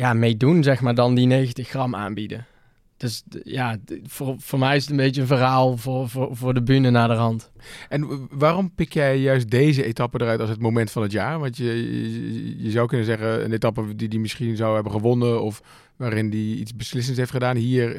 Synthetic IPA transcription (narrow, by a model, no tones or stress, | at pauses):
jaːmejdunzɛxmaːɹdɑndinejəntəxrɑma̰ːnbidə̰ | d̥ɵsjaːvʊːɹv̥ʊːɹmɛjɪsətənmbejtənvərɦaːlˠvʊːɹvʊːvʊːɹdəbynənaːdəɹɦɑntʔɛnʋaːrɔmpɪkjɛjːœɥst̚dejzəetɑpəndərœɥtɑlˠsɦətmowmɛntfɑnətjaːɹʋɑntə | jəzɑwkɵnəzɛχəə̰netɑpədidimɪsχinzɑwɦɛbəχəʋɔnənɔf | ʋaːrɪndiḭtsbəslɪs̬əntsɦejftχədaːnɦiːɹ